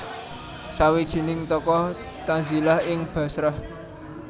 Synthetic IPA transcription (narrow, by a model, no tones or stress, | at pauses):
sawid̥ʒ̥i̤nɪŋt̪ɔkɔ | t̪anzilahɪŋb̥ä̤sɾəh